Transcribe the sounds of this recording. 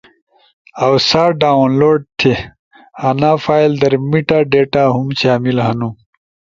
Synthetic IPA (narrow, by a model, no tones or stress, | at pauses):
ɐwsaːɖaːnloːɖ̚t̪ʰe | ɐnaːfaːild̪ɐɾmiʈaːɖeːʈaɦumɕaːmilɦɐnũ